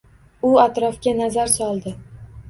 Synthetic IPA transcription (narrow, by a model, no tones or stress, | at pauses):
ʊat̪ɾɒfkʲanazaɾsɒlˠd̪ɪ